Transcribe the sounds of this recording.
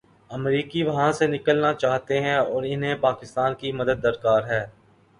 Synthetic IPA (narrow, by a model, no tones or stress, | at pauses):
ɐmɾiːkiʋɐɦãsenɪkəlnat͡ʃaːɦt̪eɦɛ̃ɔːɾɪnɦẽpaːkɪst̪aːnkimɐd̪əd̪̚ːɐɾkaːɾɦɛː